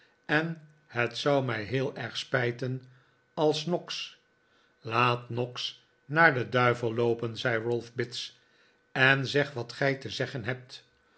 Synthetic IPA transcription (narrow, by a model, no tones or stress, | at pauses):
ɛn | hətsʌwmɛjɦɪːlˠɛɹχspɛjtən | ɑlˠsnɔks | laːtnɔks | naːɹdədœɥvəlˠlowpənzɛjɹʊlˠfbɪts | ɛnzɛχʋɑtχɛjtəzɛχənɦɛp̚t